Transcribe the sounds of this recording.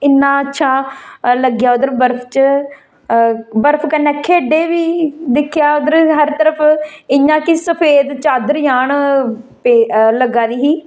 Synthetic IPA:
ɪnːãːətːʃʰaːləɡjaːʊd̪əɾbəɾpʰt͡ʃə | bəɾpʰkənːeːkʰeːɖeːʋiːd̪ɪkʰːjaːʊd̪əɾɦəɾt̪əɾəpʰɪjãːkisəpʰeːd̪t͡ʃaːd̪əɾjaːɳpeːləɡːaːd̪iːɦiː

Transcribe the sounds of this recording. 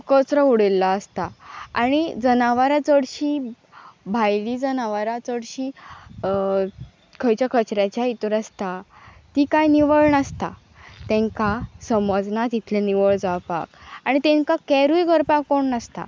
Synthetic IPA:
kət͡sɾəuɽelːaəst̪aaɽ̃id͡zənaʋaɾat͡səɽɕiː | bʱajlid͡zənaʋaɾat͡səɽɕi | kʰəjt͡ɕjakət͡ɕɾjat͡ɕjait̪uɾəst̪a | t̪ikajniʋəɭɳəst̪a̰ | t̪ɛ̃ŋkasəməd͡znat̪it̪ʰlɛniʋəɭd͡zawpa̰kaɽ̃it̪ɛ̃ŋkakɛɾujɡʱəɾpakoɳnəst̪a̰

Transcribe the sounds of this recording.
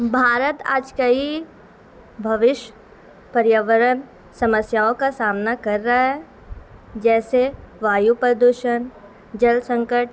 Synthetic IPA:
bʱaːɾət̪a̰ːd͡ʒkɐi | bʱɐʋɪʃ | pɐɾjaʋəɾən | sɐməsjaːõkasaːmnakɐɾːaaɦɛ | d͡ʒɛːseʋaːjupɾəd̪uʃən | d͡ʒɐlsə̃ŋkəʈ̚

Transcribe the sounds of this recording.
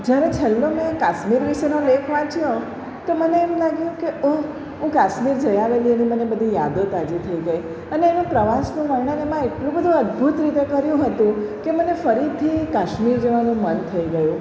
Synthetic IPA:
d͡ʒjaɾet͡ʃʰɛlːomẽkaʃmiɾʋiʃenõlekʰʋãt͡ʃʰjõ | t̪oməneːmlaɡjũkeo | ɦũkaʃmiɾd͡ʒəjaʋelienimənebəd̪ʱijad̪ot̪ad͡ʒit̪ʰəiɡəi | əneːnũpɾəʋasnũməɾɳənemãeʈlũbəd̪ʱũəd̪bʱut̪ɾit̪ekəɾjũɦət̪ũkemənefəɾit̪ʰikaʃmiɾd͡ʒeʋanũmənt̪ʰəiɡəjũ

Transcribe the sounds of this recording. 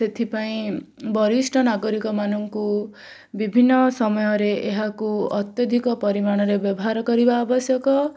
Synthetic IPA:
set̪ʰipaĩbɔɾisʈʰɔnaɡɔɾikɔmanɔŋku | bibʱinːɔsɔmɔjɔɾeʔeɦakuɔt̪jɔd̪ʱikɔpɔɾimaɽ̃ɔɾebjɔbɔɦaɾɔkɔɾibaːbɔsjɔkɔ

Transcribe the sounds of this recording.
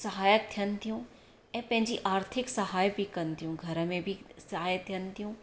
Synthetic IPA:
sɐɦaːjət̪ʰjɐnt̪ʰijũː | ɛ̃pɐ̃ɦɪ̃ɲd͡ʒiʔaːɾt̪ʰɪksɐɦaːjbʱikɐnt̪ijũɡʱɐɾmẽbʱisɐɦaːjət̪ʰjɐnt̪ʰijũː

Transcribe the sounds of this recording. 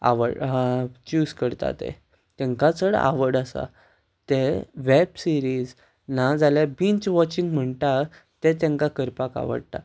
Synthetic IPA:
a̰ʋə̰ɽt͡ɕuːskəɾt̪a̰t̪ḛ | t̪ɛ̃ŋkat͡səɽa̰ʋəɽəsa̰ | t̪eʋebsiɾiz | nad͡zaljabint͡ɕʋɔt͡ɕiŋɡm̤əɳʈ̪at̪et̪̬ẽŋkakəɾpaka̰ʋə̰ɽt̪a̰

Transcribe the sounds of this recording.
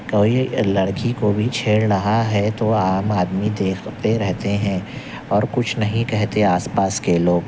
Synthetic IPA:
koːilɐɽkikobʱit͡ʃʰeːɽnɐɦaɦɛt̪oaːmaːd̪mid̪eːkʰt̪eɾɛɦt̪eɦɛ̃ː | ɔːɾkʊt͡ʃʰnɐɦĩkɛɦt̪eaːspaːskeloːɡ

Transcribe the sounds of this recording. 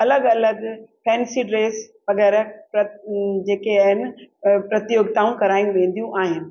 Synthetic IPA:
ɐləɡɐləɡpʰɛ̃ːnsiɖɾeːsʋɐɡɛːɾəpɾɐd͡ʑeːkeaːɦɪnɪ̆pɾɐt̪ijoːɡ̚t̪aːũkɐɾaːijũʋẽːn̆d̪ijũʔaːɦɪnɪ̆

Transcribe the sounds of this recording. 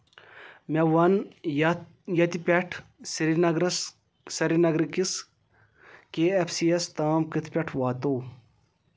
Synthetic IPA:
meʋɐn | jɐt̪ipʲeʈʰsiɾinɐɡɾɐs | sɐɾinɐɡɾikis | keːepʰsiːest̪aːmkit̪ʰpʲɐʈʰʋaːt̪oː

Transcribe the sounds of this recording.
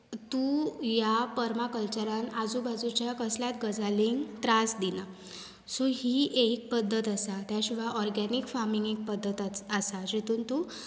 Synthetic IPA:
t̪ujapəɾmakəlt͡ɕəɾãnad͡zubʱad͡zut͡ɕjakəsljat̪ɡəd͡zʱaliŋɡt̪ɾasd̪ina | soɦiːʔek̚pəd̪ʱːət̪əsat̪jaɕiʋaʔɔɾɡanikfaɾmiŋɡek̚pəd̪ʱːət̪əsad͡ʑit̪uːnt̪u

